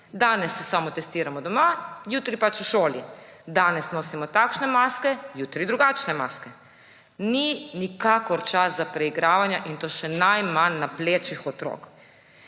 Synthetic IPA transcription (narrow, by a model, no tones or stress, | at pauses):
d̪aːnɛsːɛsamɔt̪ɛst̪iːɾamɔd̪ɔmajuːt̪ɾipat͡ʃuʃoːlid̪aːnɛsnoːsimɔt̪akʃnɛmaːskɛjuːt̪ɾid̪ɾuɡaːt͡ʃnɛmaskɛ | ninikaːkɔɾt͡ʃaszapɾɛiɡɾaːʋanjaʔint̪oːʃɛnajmanːapleːt͡ʃixɔt̪ɾo̰ːk